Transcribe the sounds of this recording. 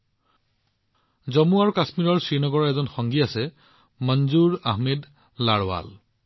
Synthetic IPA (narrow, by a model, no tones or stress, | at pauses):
zɔmuaɹkasmiɹɔɹsinɔɡɔɹaɛzɔnxɔŋɡiasɛ | mɔnzuɹaɦmed | laɹwa̰l